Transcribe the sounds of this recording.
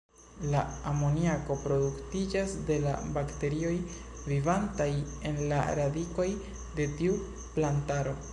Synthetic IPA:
laamo̞niako̞pɾo̞duktid͡ʒasde̞la̰bakte̞ɾio̞j | vivantaje̞nlaɾadiko̞j | de̞tiu | plantaɾo̞

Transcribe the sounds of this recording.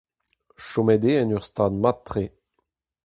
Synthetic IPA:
ʃomɛd̪eɛnyʁst̪aːd̪mat̪ːχe

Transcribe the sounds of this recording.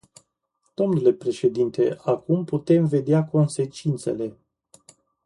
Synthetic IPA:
d̪̥o̞mnule̞pɾe̞ʃe̞d̪int̪e̞akumput̪e̞mve̞d̪eako̞nse̞t͡ʃint̪se̞le̞

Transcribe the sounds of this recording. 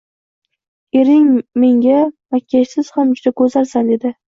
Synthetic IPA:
e̞ɾɪŋme̞ŋɡʲamakʲʰːaʃsɪz̥hamd͡ʒʊd̪akʰɵzaɾsand̪e̞d̪ɪ

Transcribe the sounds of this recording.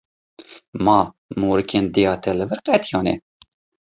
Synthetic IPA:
mɑː | moːɾɨkeːnd̪ejɑːt̪ʰɛlɨvɨɾqɛt̪ʰijɑːnɛ̰

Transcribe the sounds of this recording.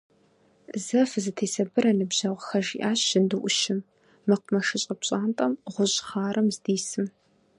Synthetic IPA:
zɐfzɨtʰeːsɐbɨɾɐnɨbʑɐʁʷxɐʒiːʔaːɕɪndɨʔʷʊʃɪmː | ɨqʷʊmɐʂɨɕʼɐpɕʼaːntʼɐmʁʷʊʑχaːɾɐmzdiːsɨm

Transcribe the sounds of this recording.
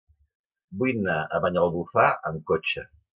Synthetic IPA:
bujnaəβaɲəlˠβufaʔəŋkot͡ʃə

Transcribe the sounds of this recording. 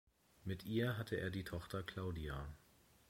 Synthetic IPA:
mɪtʔiːɐɦatʰəʔeːɐdiːtʰɔχtɐkʰl̥aʊdia

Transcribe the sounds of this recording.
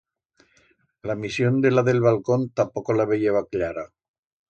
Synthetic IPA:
lamisjo̞nd̪elaðe̞lβ̞alkont̪apokolaβejeβaklaɾa

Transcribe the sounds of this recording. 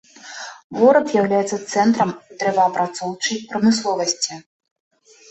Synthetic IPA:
vɔɾɐpzʲjawlʲajɛt̪sɐt̪sɛnt̪ɾɐmut̪ɾɛvɐːpɾat̪sɔwt͡ʂɐjpɾɐmɨslˠɔvɐsʲt͡sʲi

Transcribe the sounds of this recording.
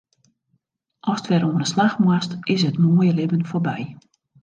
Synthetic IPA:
ʔɔstʋɛɾoənəslaxmwastɪs̬ətmoːjəlɪbənforbɛj

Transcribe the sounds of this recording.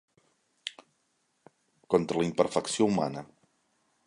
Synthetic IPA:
kɔnt̪ɾələimpəɾfəksiouma̰nə

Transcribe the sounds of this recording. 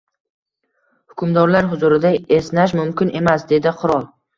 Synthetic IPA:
hʊkʲʰʊmd̪ɒɾlaɾɦʊzuɾɪd̪aesnaʃ̬mʊmkʲɪnʔe̞masd̪e̞d̪ɪqʰʊɾɒlˠ

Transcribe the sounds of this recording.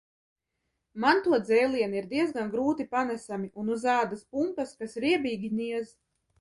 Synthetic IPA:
mant̪uɔd̪zɛjlˠiɛniɾd̪iɛzɡanɡɾuːt̪ipanɛsamiʔunuzaːd̪aspumpɐskasɾiɛbiːɡʲinʲiɛz

